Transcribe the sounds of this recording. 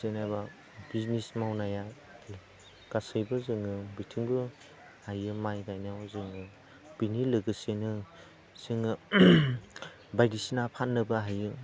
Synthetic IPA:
senaba | biznismawnaja | l | ɡ̥asɯjbɯzɯŋɯbitʰiŋbɯ | hajɯmajɡajnawzɯŋɯ | b̥inilɯɡɯsenɯ | sɯŋɯ | bajdisinapʰanːɯbɯɦajɯ

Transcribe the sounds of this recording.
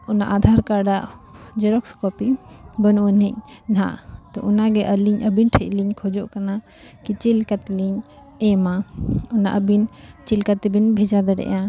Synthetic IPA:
ɔna̰ʔad̪ʱaɾkaɖaʔd͡ʒɛɾɔkskɔpibənuʔənɛc̚nɦã̰ʔt̪ɔʔunaɡɛʔəliɲʔəbinʈʰəc̚liɲkʰɔd͡ʒɔʔkana | kit͡ʃilkat̪liɲ | ɛmaɔna̰ʔəbint͡ʃilkat̪binbʱɛd͡ʒad̪ɛɾɛ̰ʔã

